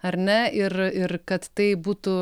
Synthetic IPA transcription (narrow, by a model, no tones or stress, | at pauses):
ɐɾnʲɛɪrɪɾkɐt̪t̪ɐɪbuːt̪ʊ